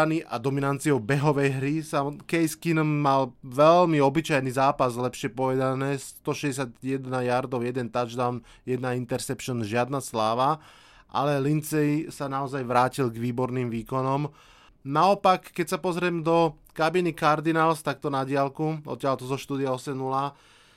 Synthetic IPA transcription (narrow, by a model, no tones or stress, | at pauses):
aniʔad̪ɔminant̪t͡siɔbɛɦɔʋɛjɦɾisakɛjskinmːalʋɛlmiɔbit͡ʃajnizaːpazlɛpʃɪɛpɔʋɛd̪anɛːst̪ɔʃɛɟɛs̬ad̪jɛd̪najaɾd̪ɔʊjɛd̪ɛnt̪ad͡ʒd̪an | jɛd̪naint̪ɛɾsɛpʃɔnʒɪad̪naslaːʋa | ʔa̰lɛlint͡sɛjsanaɔzajʋɾaːcilɡʋiːbɔɾniːmʋiːkɔnɔm | naɔpakːɛcsapɔzɾɪɛmd̪ɔ | kabinikaɾd̪inalst̪ak̚t̪ɔnaɟɪalkuʔɔ̰t̪ːjalt̪ɔzɔʃt̪uːd̪iaɔsɛmnula